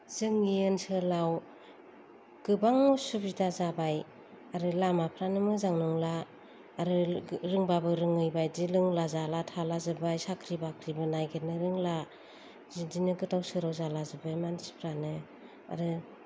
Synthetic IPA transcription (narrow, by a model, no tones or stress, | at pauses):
z̥ɯŋɡijɯnsɯlaw | ɡ̥ɯbaŋːusubzitazabaj | aɾɯlamapʰɾanɯmɯzaŋnuŋlaː | ɾɯɾɯŋbabɯɾɯŋɯjbajdilɯŋlazalatʰalazɯbajsakʰɾibakʰɾibɯnajɡʰet̚nɯɾɯŋla | zidinɯɡɯtawsɯɾawzalazɯbajmansi̥pʰɾanɯ | a̰ɾɯ